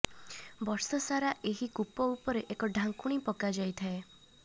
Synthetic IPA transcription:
bɔɾsɔsaɾaʔeɦikupɔupɔɾeʔekɔɖʱaŋkuɽ̃ipɔkad͡ʒajt̪ʰae

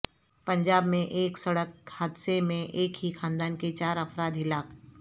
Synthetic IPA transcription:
pɐ̃ɲd͡ʒaːbmẽʔeːksɐɽək̚had̪semẽʔeːkɦixʰãːnd̪aːnket͡ʃaːɾɐfɾaːd̪ɦɪlaːk

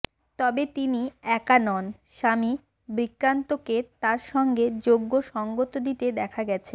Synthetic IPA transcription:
t̪ɔbet̪iniɛkanɔn | ʃami | bɾikɾant̪oket̪aɾʃɔŋɡed͡ʑoɡːoʃɔŋɡot̪od̪it̪ed̪ɛkʰaɡɛt͡ɕʰe

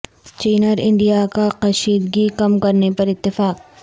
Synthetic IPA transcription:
t͡ʃiːnəɾɪ̃ɳɖijakaqɐʃiːd̪ɡikɐmkɐɾnepɐɾɪt̪ːɪfaːq̚

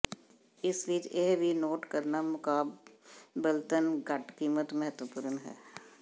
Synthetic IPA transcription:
ɪsʋiːt͡ʃeɦbʱinoːʈkəɾnamʊkaːbbəlt̪ənɡɐʈkiːmət̪mɛɦət̪ʋəpʊɾnɦɛ̰ː

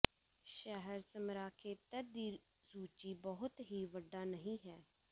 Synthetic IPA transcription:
ʃɛɦəɾsəmɾaːkʰeːt̪əɾd̪iː | zuːt͡ʃiːbɔɦʊt̪ɦiːʋəɖːaːnəɦĩːɦɛː

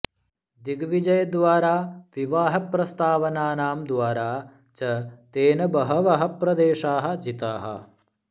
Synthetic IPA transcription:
d̪iɡʋid͡ʒɐjɐd̪ʋaːɾaːʋiʋaːɦɐpɾɐst̪aːʋɐnaːnaːmd̪ʋaːɾaː | t͡ʃɐt̪eːnɐbɐɦɐʋɐɦɐpɾɐd̪eːʃaːɦɐ̆d͡ʒit̪aːɦɐ̰

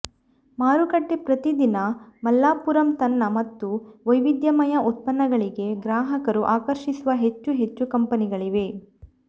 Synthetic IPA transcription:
maːɾukɐʈːepɾɐt̪id̪inɐmɐlːaːpuɾɐmt̪ɐnːɐmɐt̪ːuʋɐjʋid̪jɐmɐjɐʔut̪̚pɐnːɐɡɐɭiɡe̞ɡɾaːɦɐkɐɾuʔaːkɐɾʃisuʋɐɦe̞t͡ʃːuɦe̞t͡ʃːukɐmpɐniɡɐɭiʋe̞

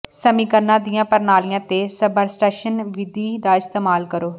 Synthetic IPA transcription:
səmiːkəɾnãːd̪ijãːpəɾnaːlijãːt̪eːsəbəɾsʈeːʃənʋɪd̪iːd̪aːɪst̪eːmaːlkəɾoː

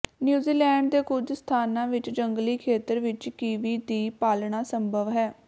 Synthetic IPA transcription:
njuːziːlɛːɳɖd̪eːkʊd͡ʒst̪ʰaːnãːʋɪt͡ʃd͡ʒəŋɡliːkʰeːt̪əɾʋɪt͡ʃkiːʋiːd̪iːpaːlɳaːsəmbʱəʋɦɛː

